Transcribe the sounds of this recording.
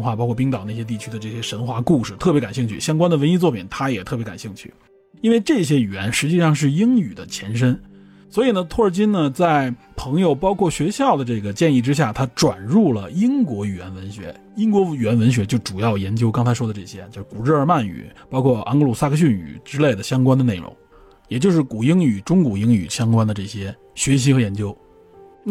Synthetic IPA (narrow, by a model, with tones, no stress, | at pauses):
nxwa˥˩pɑ˥kʰɔ˥˩p̬i˥ŋt̪ɑ˨˩ʊna˥˩ɕjɛ˥t̪i˥˩t͡ɕʰy˥d̪ə˧ʈ͡ʂɤ˥˩ɕjɛ˥ʂə˧˥nxwa˥˧ku˥˧ʂɻ̩˨˩t̪ʰɤ˥˩pjɛ˧˥ka˨˩nɕi˥˧ŋt͡ɕʰy̰˥˩ɕjɑ˥ŋkwa˥nd̪ə˩wə˧˥ni˥t͡swɔ˥˩pʰi˨˩ŋt̪ʰa˥jɛ˨˩t̪ʰɤ˥˩p̬jka̰˨˩nɕi˥˧ŋt͡ɕʰy˥˩ | i˥nwe˥˧ɪʈ͡ʂɤ˥˩ɕjɛ˥y˨˩jɛ̰˧˥nʂɻ̩˧˥t͡ɕi˥˧ʂɑ˥˧ŋʂ̬ɻ̩˥˩i˥ŋy˨˩d̪ə˦t͡ɕʰjɛ˧˥nʂ̬ə˥n | swɔ˧˥i˨˩nə˧t̪ʰwɔ˥˩ə˞˨˩t͡ɕi˥nnə˨t͡sa˥˩ɪ | pʰɤ˧˥ŋjo˧ʊpɑ˥ʊkʰwɔ˥˩ɕɥɛ˧˥ɕjɑ˥˩ʊd̪ə˩ʈ͡ʂɤ˥˩ɡə˩t͡ɕjɛ˥˧ni˥˩ʈ͡ʂɻ̩˥ɕ̬ja˥˩t̪ʰa˥ʈ͡ʂwa̰˨˩nɻu˥˩lə˩i˥ŋkwɔ˧˥y˨˩ɥɛ˧˥nwə˧˥nɕɥɛ̰˧˥ | i˥ŋkwɔ˧˥y˨˩ɛ˧˥nwə˧˥nɕ̬ɥɛ˧˥t͡ɕjo˥˩ʊʈ͡ʂu˨˩jɑ˥˩ʊjɛ˧˥nt͡ɕjo˥ʊkɑ˥ŋt͡sʰɪʂwɔ˥d̪ə˧ʈ͡ʂɤ˥˩ɕjɛ˥t͡ɕjo˥˧ʊʂ̩˥˩ku˨˩ɻ̩˥˩ə˞˧˦ma˥˩ny̰˨˩˦pɑ˥ʊkʰwɔ˥˩ʔɑ̰˥ŋklu˨˩sa˥kʰə˧ɕ̬y˥˩ny̰˨˩ʈ͡ʂɻ̩˥le˥˩ɪd̪ə˩ɕjɑ˥ŋkwa˥nd̪ə˧ne˥˩ɪɻʊ̰˧˥ŋ | jɛ˨˩t͡ɕjo˥˧ʊʂɻ̩˥˩ku˨˩i˥ŋy˨˩ʈ͡ʂʊ˥ŋku˨˩i˥ŋy̰˨˩ɕjɑ˥ŋkwa˥nd̪ə˨ʈ͡ʂɤ˥˩ɕjɛ˥ | ɕɥɛ˧˥ɕ̬i˧˥xɤ˧˥jɛ˧˥nt͡ɕjo˥ʊ | na˥˩